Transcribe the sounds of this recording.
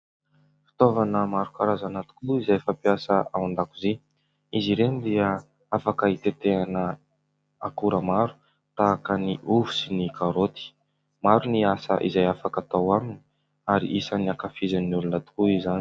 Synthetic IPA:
fi̥t̪ovanəmaɾukaɾazanat̪i̥kʲuluizajfapiasəawand̪akuzi | iziɾenid̪iə | afakəit̪et̪eanə | a̰kuɾəmaɾu̥ | t̪aːkəniʔuvu̥sinikaɾot̪i̥ | maɾuniasə̰ʔḭzajafakat̪awamini̥ | aɾḭʔisaniakafizanːulunat̪u̥kuizani

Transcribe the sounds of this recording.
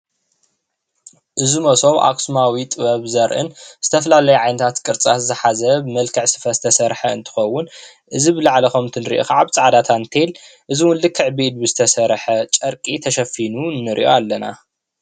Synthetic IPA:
ʔɨzumɐso̞βʔa̰kʼsumawit̪ʼɨβɐβzɐɾʔɨ̰nz̥ɨt̪ʰɐfɐlalɐjuʕajnɐt̪ʰat̪kʼɨɾt͡sʼat̪zɨħazɐbɨmɐlkʰɨʕsɨ̥fɐzɨt̪ʰɐsɐɾħɐɨ̰nt̪ʰɨ̥xɐwʊn | ʔɨzibɨlaʕlɐxomt̪ʰɨnɾḭʔo̰xaʕaβt͡sʼaʕad̪at̪ʰant̪ʰelʔɨziwʊld̪ɨkʰɨʕbed̪̚bɨzɨt̪ʰɐsɐɾħɐt͡ʃʼɐɾkʼit̪ʰɐʃɐfinunːɨɾʔḭʔo̰alːɐna̰

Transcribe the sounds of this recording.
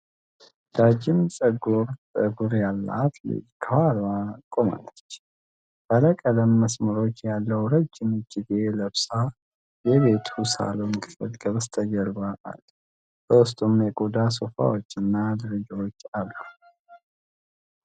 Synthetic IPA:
d̪̥ad͡ʒɪmsʼəɡuɾsʼəɡuɾjalːa̰t̪ʰlɨ̰kʰəhalakʼomə̰nət͡ʃː | baləkʼələmːəsməɾo̞t͡ʃːjalːəwɾəd͡ʒːɪmɨd͡ʒːɪɡeləβsa | jɛβe̞t̪ʰusa̰loməkʰfət̪ɡʼəβst̪ʰəɡəɾbaʔa̰l | bəwʊst̪ʼumjɛkʼud̪asofa̰wo̞t͡ʃːɨnːad̪ɨɾɨd͡ʒɾo̞t͡ʃːalːəw

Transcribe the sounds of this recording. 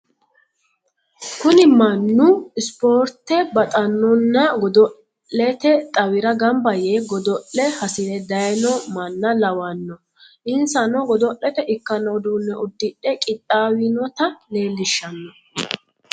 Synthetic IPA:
kʊnɪmɐnːʊɪspoːɾt̪ːɛbɐt̪ʼɐnːɔnːɐɡɔd̪ɔ | ɛt̪ɛt̪ʼɐwɪɾɐɡɐmbɐjeːɡɔd̪ɔʔɛhɐsɪlɛd̪ɐjnɔmɐnːɐlɐwɐnːɔ | ʔɪnsɐnɔɡɔd̪ɔʔɛt̪ɛʔɪkːɐnɔd̪uːnːɛʔɔd̪ːɪᶑɛkʼɪt̪ʼːaːwinɔt̪ɐleːlːɪʃːɐnːɔ

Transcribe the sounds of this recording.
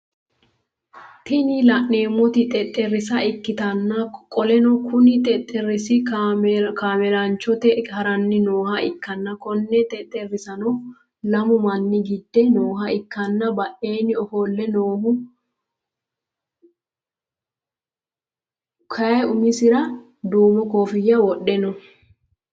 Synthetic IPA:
t̪ɪnɪlɐʔne̞ːmːɔt̪ɪt̪ʼɛt̪ʼːɛrɪs̬ɐɪkːɪt̪ɐnːɐkʼɔlɛnɔkʰʊnɪt̪ʼɛt̪ʼːɛɾɪsɪ | kaːmɛlant͡ʃːɔt̪ɛhɐɾɐnːɪnoːhɐʔɪkːɐnːɐkɔnːɛt̪ʼɛt̪ʼɛrːɪsɐnɔ | lɐmʊmɐnːɪɡɪd̪ːɛnoːɦɐɪkːɐnːɐbɐʔe̞ːnɪɔhoːlːɛnoːhʊ | kʰɐʊmɪsɪɾɐ | d̪uːmɔkoːfɪjːɐwɔɗːɛnɔ

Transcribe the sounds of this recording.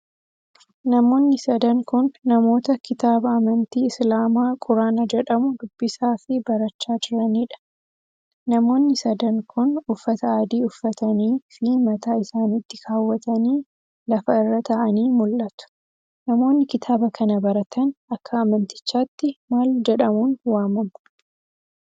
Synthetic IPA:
nɐmo̞ːnːɪsɐd̪ɐŋkʊnːɐmo̞ːt̪ɐkɪt̪aːbɐːmɐnt̪iːɪslaːmaːkʼʊɾaːnɐd͡ʒɛᶑɐmʊd̪ʊbːɪsaːfɪbɐɾɐt͡ʃːaːd͡ʒɪɾɐniːᶑɐ̥ | nɐmo̞ːnːɪsɐd̪ɐŋkʰʊnʊfːɐt̪ɐaːd̪iːʊfːɐt̪ʰɐniːfɪmɐt̪aːɪsaːnɪt̪ːɪkʰaːwːɐt̪ɐniː | lɐfɐɪrːɐt̪ɐʔɐniːmʊlʔɐt̪ʊ̥ | nɐmo̞ːnːɪkɪt̪ʰaːbɐkʰɐnɐbɐɾɐt̪ʰɐnɐkːɐːmɐnt̪ɪ̥t͡ʃːaːt̪ːɪmaːld͡ʒɛᶑɐmuːnwaːmɐmʊ̥

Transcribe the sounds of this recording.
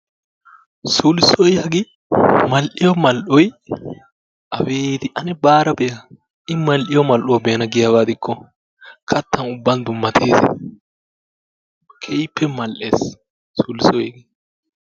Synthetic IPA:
suːlɪsɔjɐɡɪ | mɐlʔɪjɔmɐlʔɔj | ʔɐweːt̪ɪʔɐnɛbaːɾɐbɛjɐ | ɪmɐlʔɪjɔmɐlʔʊwɐbeːnɐɡɪjɐbaːd̪ɪkːɔ | kʰɐt̪ːɐnʊbːɐnd̪ʊmːɐt̪ʰeːsɛ̰ | kʰɛjpʰːɛmɐlʔeːs | suːlɪsɔjɐɡɪ

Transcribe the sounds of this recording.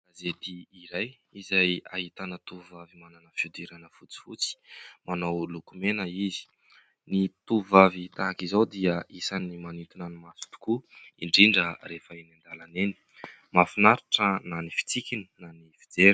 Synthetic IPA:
azet̪iːɾaj | izajahit̪anət̪uvavimananəfud̪iɾanəfut͡si̥fut͡si̥manawlukumenəizi̥ | nit̪uvavit̪aakizawd̪iəisanimanint̪unanimasu̥t̪u̥kuiɳɖ͡ʐiɳɖ͡ʐəɾefəenand̪alaneni̥ | mafinaɾiʈ͡ʂənanifi̥t͡sikini̥nanifid͡zeɾ

